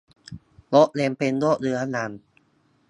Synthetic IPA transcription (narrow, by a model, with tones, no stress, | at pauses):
lo˦˥ʔle˧mpe˧nlo˦˥ʔlɯ˧ɐna˧n